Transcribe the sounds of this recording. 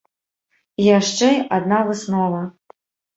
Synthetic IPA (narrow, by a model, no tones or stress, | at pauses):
ijaʂt͡ʂɛjad̪navɨsnɔvɐ